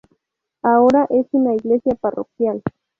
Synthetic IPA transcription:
aoɾaʔesɪnaiɡlesjaparo̰kjal

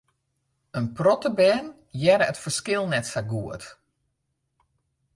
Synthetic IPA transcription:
ənprɔtəbɛːn | jɛɾəətfərskɪlˠnɛtfaɡuət

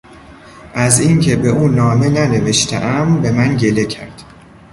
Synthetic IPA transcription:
ʔæziŋcʰe̞be̞ʔuːnɒːme̞næne̞ve̞ʃt̪ʰḛʔæmbe̞mænɟe̞lecʰæ̰ɾd̪̥

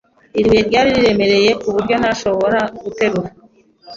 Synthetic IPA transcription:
iɾwe̞ɾɟaːɾiɾiɾe̞me̞ɾe̞je̞kuβuɾɟo̞naʃo̞βo̞ɾaɡute̞ɾuɾa

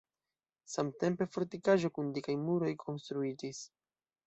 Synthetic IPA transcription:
samte̞mpe̞fo̞ɾtikaʒo̞kundikajmuɾo̞jkʰo̞nstɾuid͡ʒis

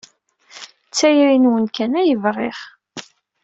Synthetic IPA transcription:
t͡sːæjɾinwənkænæjəvrˤeχ

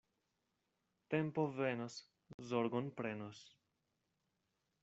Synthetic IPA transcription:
t̪e̞mpovenos | zoɾɡonpɾenos

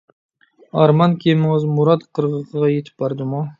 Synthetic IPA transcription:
ɑɾmɑnkʲʰemɪŋɪzmuɾɑt̪qʰəɾʁəqʰəʁɑjet̪ʰɪ̥p̚bɑɾd̪ɨmu

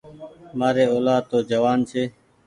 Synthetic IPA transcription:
maːɾeːoːlaːd̪̚t̪oːd͡ʒəʋaːnt͡ʃʰeː

